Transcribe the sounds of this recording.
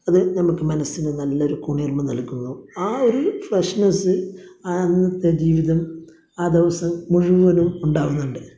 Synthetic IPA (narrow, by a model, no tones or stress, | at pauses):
ɐðɨnɐmukːɨmɐnɐsinenɐlːɐo̞ɾukuːɳijɐrmɐnɐɭkːunːuaːo̞ɾufrɐʂnɐsɨanːɐt̪ːed͡ʑiːʋiðɐm | aːd̪iʋɐsɐmːuɻuʋuʋɐnumuɳɖaːʋunːuɳɖɨ